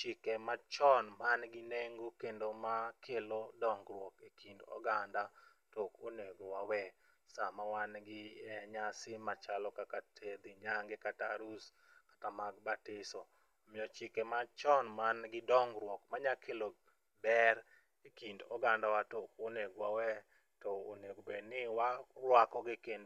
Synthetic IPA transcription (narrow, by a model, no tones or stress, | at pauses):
t͡ʃɪkɛmat͡ʃɔnmanɡɪneŋɡokendomakʰelodɔŋɡɾwɔkekindɔ̰ɡanda | tokoneɡowawɛ | samawanɡɪɛɲasɪmat͡ʃalɔkakatʰed̪ɪɲaŋɡekataɾus | kḁtamaɡbatɪsɔ | mɪɔt͡ʃɪkɛmat͡ʃɔnmanɡɪdɔŋɡɾwɔkmaɲakʰelo | bɛr | ekindɔɡandawatokoneɡwawɛ | tɔoneɡobenɪwaɾwakɔɡɪkend